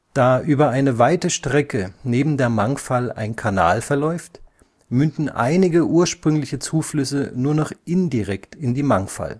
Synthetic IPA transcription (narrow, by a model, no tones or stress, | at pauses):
d̥aːʔyːbɐaɪnəvaɪtəʃtʁ̥ɛkəneːbm̩deːɐmaŋfala̰ɪnkʰana̰ːlfɛɐlɔʏft | mʏndn̩ʔa̰ɪnɪɡəʔuːɐʃpʁ̥ʏŋlɪçət͡suːflʏsənuːɐnɔχʔɪndiʁɛktɪndiːmaŋfa̰l